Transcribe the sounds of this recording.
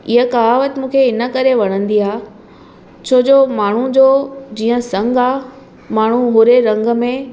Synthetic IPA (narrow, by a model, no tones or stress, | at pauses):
ɪɦəkaːʋət̪ɪmũːkʰeɪnə̆kɐɾeʋɐɽ̃ə̃nd̪iɦaː | t͡ɕʰoːd͡ʑoːmaːɳ̤ud͡ʑoːd͡ʑiːə̃sɐ̃ŋɡaː | maːɳ̤uɦʊːɾeɾɐ̃ŋɡəmẽ